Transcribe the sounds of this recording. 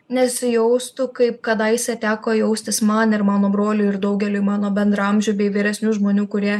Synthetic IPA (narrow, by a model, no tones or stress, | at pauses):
nʲɛsʲɪjɛʊst̪ʊkɐɪp̚kɐd̪ɐɪsʲɛt̪ʲæːkoːjɛʊsʲt̪ʲɪsmɐnɪɾmɑːnoːbɾoːlʲuːɪɾd̪ɐʊɡʲɛlʲʊːmɑːnoːbʲɛnd̪ɾɐmʲʒʲuːbʲɛɪʋʲiːɾʲɛsʲnʲuːʒmoːnʲuːkʊɾʲiɛ